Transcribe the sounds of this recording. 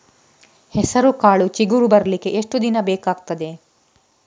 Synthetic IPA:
hɛsɐɾukaːɭut͡ʃiɡuɾubɐɾɐlikeʔeʂʈud̪inɐbeːkaːɡt̪ɐd̪e̞

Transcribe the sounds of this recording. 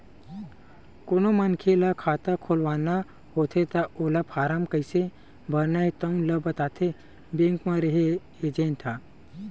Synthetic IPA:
konomankʰelakʰaːt̪akʰoːlʋaːna | hoːt̪ʰet̪aolapʰaːɾaːmkəjse | bʱɐɾnait̪əwləbət̪aːt̪ʰe | bẽŋkmãɾəɦe | ed͡ʒẽnt̪ʰa

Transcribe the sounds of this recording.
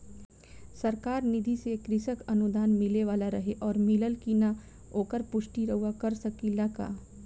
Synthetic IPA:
sɐɾkaːɾnɪd̪ʱisekɾɪsəkɐnud̪aːnmɪleʋaːlaɾɐɦeʔɔːɾmɪləlkina | oːkəɾpʊʃʈiɾɐɦuwakɐɾsɐkilɐka̰ː

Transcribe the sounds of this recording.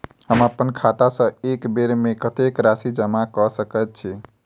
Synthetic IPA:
həməpːənkʰat̪asə̃ekbeɾmekət̪ekɾasid͡ʒəmakɔsəkət̪̚t͡ʃʰi

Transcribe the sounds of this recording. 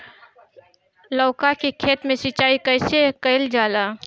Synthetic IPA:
lɔːkakikʰeːt̪mẽsit͡ʃaːikəːsekəɪld͡ʒaːlaː

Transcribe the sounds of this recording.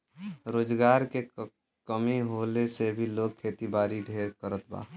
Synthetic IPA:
ɾoːd͡ʒɡaːɾke | kəmiɦoːlesebʱiloːɡ̚kʰeːt̪ibaːɾiɖʱeːɾkəɾət̪ba̰ː

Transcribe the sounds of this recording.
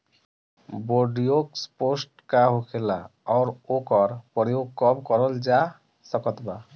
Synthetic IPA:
boɖijoksposʈkaɦokʰelaɔʊɾokɔɾpɔɾjoɡ̚kɔbkɔɾɔld͡ʒa | sʌkɔt̪ba

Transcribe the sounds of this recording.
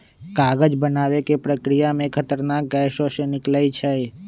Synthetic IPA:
kaːɡəd͡ʒbənaʋekepɾəkɾijamẽkʰət̪əɾnak̚ɡɛʃoʃenɪklait͡ʃʰɛ

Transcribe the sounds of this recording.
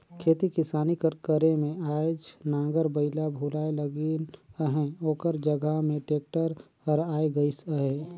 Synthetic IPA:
kʰeːt̪ikɪsaːnikəɾkəɾemẽaːd͡ʒnãːŋɡəɾbəɪlabʱuːlaːeləɡenəɦɛ̃oːkəɾd͡ʒəɡəɦmẽʈeːk̚ʈəɾ | əɾaːeɡəisəɦẽ

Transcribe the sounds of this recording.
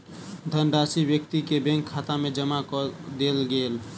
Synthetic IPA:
d̪ʱənɖasibjəkt̪ikebɛ̃ŋkʰːat̪amed͡ʒəmakɔd̪elɡel

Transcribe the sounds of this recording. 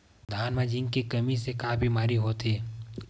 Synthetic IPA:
d̪ʱaːnmad͡ʒĩŋɡkikɐmisekaːbʱimaːɾiɦoːt̪eː

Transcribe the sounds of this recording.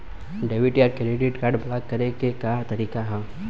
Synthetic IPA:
ɖeʋiʈiaɾkeɾiɖiʈkaːɾɖblaːkːɐɾekekat̪ɐɾiːkaɦɛ

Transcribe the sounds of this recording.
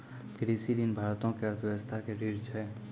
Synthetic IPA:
ɡɾisiɾinbʱaɾt̪õkeəɾt̪ʰʋəst̪ʰakeɾiɾt͡ʃʰɛ

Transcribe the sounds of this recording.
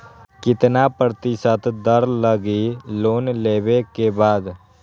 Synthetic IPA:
kɪt̪napəɾt̪isət̪ʰd̪əɾləɡiloːnleːʋekebaːd̪

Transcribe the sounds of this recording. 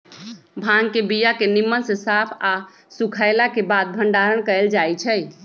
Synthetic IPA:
bʱãŋkebijakenimːənsesapʰa | sukʰajlakebad̪̚bʱəɳɖaɾənkəeld͡ʒajt͡ʃʰəj

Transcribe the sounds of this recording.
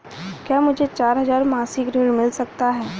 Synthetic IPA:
kjaːmʊd͡ʒʱet͡ʃaːɾɦɐzaːɾmaːsɪkɾiɾmɪlsɐk̚t̪aɦɛː

